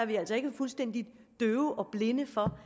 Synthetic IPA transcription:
æɐʋiæl̰sɒe̝ɡ̥əfulsd̥en̰d̥i̥d̥øːʊʔɒ̽b̥le̝nəfɒ̽

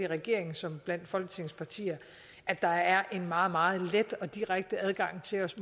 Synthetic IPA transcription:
iʁɛɡ̥e̝ɐ̰e̝ŋn̩sɒ̽mb̥læn̰d̥fɒ̽lɡ̥ə̥t͡sʰe̝ŋspʰɑ̈t͡sʰḭːɐ | ʔæd̥ɑ̈æɐʔe̝nmɑ̈ːð̩ˠmɑ̈ːð̞̩ˠled̥ɒ̽d̥iʁaɡ̥̚d̥əæð̞ˠɡ̥ɑ̈ŋ̰t͡sʰe̝lɒ̽sm

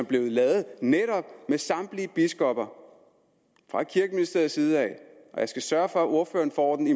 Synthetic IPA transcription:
æb̥le̝ʊð̩ˠlɛːð̞̩ˠneɾ̥ɒ̽b̥̚mesɑ̈md̥liəb̥isɡ̥ɒb̥ɐ | fʁɑ̥̈kʰiɐɡ̥əminisd̥e̝ɐð̩ˠsiːð̞̩ˠɛ̰ɪʔɒ̽jɑ̈ɪsɡ̥æsɶɐfɒ̽æʔo̝ɐfø̰ːɐn̩fɒ̰ːd̥n̩i

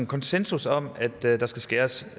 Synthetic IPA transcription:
kʰɒ̽nsensusɒ̽mæd̥d̥ɑ̈sɡ̥æsɡ̥eːɐs

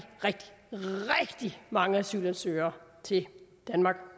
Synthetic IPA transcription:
ʁɛɡ̥d̥i̥ʁɛɡ̥d̥imɑ̈ŋəæsy̰ːlænsø̰ːɐːt͡sʰe̝ld̥ænmɑ̈ːɡ̥

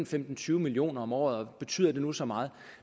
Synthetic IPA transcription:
n̩femd̥n̩t͡sʰyːʊəmilio̝̰ːnɐɒ̽mɒ̰ːð̞̩ˠɒ̽b̥e̝t͡sʰy̰ðˠɐd̥e̝nusɒ̽mɑ̈ːð̞̩ˠ

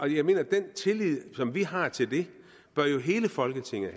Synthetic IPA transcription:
ʔɒ̽jɑ̈ɪme̝̰ːnɐd̥ent͡sʰe̝lið̰ˠsɒ̽mʋiɦɑ̈t͡sʰe̝ld̥e̝ | b̥ɶɐjo̝ɦe̝ːləfɒ̽lɡ̥ət͡sʰe̝ŋ̰ə

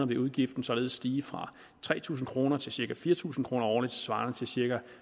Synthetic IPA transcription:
ɐʋe̝ʔuð̞ˠɡ̥ifd̥n̩sɒ̽le̝ːð̞̩ˠsd̥iːfʁɑ̈ | t͡sʰʁɛ̰ːt͡sʰṵːsn̩kʰʁo̝ːnɐt͡sʰe̝lsiɐɡ̥ʰæfiːɐt͡sʰṵːsn̩kʰʁo̝ːnɐɒːlid̥̚t͡sʰe̝̥sʋɑ̈ːnət͡sʰe̝lsiɐɡ̥æ

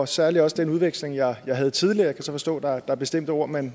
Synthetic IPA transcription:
sæɐliɒ̽səd̥enuð̞ˠʋeɡ̥sle̝ŋjɑ̈ɪjɑ̈ɪɦæð̞̩ˠt͡sʰið̞ˠliɐjɑ̈kʰæsɒ̽fɒ̽sd̥ɔ̰̽ːd̥ɑd̥ɑ̈æɐb̥e̝sd̥em̰d̥əo̝ɐ̰men

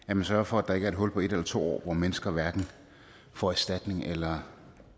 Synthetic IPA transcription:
æɐmænsɶɐfɒ̽æd̥ɑ̈e̝ɡ̥əæɐe̝d̥̚ɦɔ̽l̰pʰɒ̽e̝ɾ̥elɐt͡sʰo̝̰ːɒ̰ːʋɒmenəsɡ̥ɐʋæɐɡ̥n̩ | fɒæsd̥æd̥ne̝ŋʔelɐ

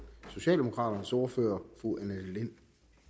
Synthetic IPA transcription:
so̝ɕɛ̰ːld̥e̝mo̝kʰʁɑ̈ːɾ̥ɐnəsɒːɐfø̰ːɐfuʔænæd̥len

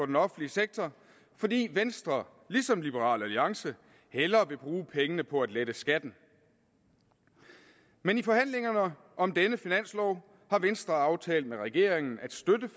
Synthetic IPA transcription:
ɒ̽d̥enɒ̽fn̩liəseɡ̥̚t͡sʰɐ | fɒ̽d̥ḭːʋensd̥ʁɐ | lisɒ̽mlib̥əʁɑ̰̈ːlæliɑ̈ŋsə | helɐʋe̝b̥ʁuːpʰeŋənəpʰɒ̽æd̥led̥əsɡ̥æd̥n̩ | menifɒ̽hæn̰le̝ŋɐnə | ʔɒ̽md̥enəfinæn̰slɒʊ̰ | hɑ̈ʋensd̥ʁɐɑ̈ʊt͡sʰɛ̰ːld̥meʁɛɡ̥e̝ɐ̰eŋn̩æd̥sd̥ødə

